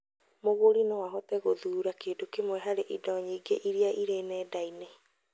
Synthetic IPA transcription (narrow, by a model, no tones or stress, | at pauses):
moɣoɾinɔwaɦɔtɛɣoðuːɾakeːdokemwɛɦaɾeʔidɔɲiɡeʔiɾiaʔiɾenɛːdaine